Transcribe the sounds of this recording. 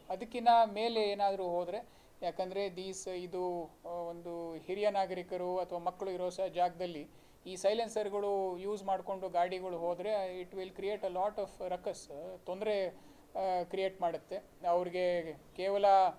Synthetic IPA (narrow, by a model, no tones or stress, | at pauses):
ɐd̪ɐkːinɐme̞ːleːnaːd̪ɐɾuːɦo̞ːd̪ɾe̞ | jaːkɐnd̪ɐɾe̞d̪iːsid̪uond̪uhiɾijɐnaːɡɐɾikɐɾuɐt̪ʰɐʋaːmɐkːɐɭuiɾoːsɐɦɐd͡ʒaːɡɐd̪ɐlːi | iːsɐjlensɐɾiɡɐɭujuːd͡ʒmaːɖko̞ɳɖuɡaːɽiɡɐɭuɦoːd̪ɾe̞iʈʋilkɾije̞ːʈelaːʈɔfɾɐkɐst̪ond̪ɐɾe̞ | kɾije̞ːʈmaːɽut̪ːe̞ | ɐʋɐɾiɡe̞keːʋɐlɐ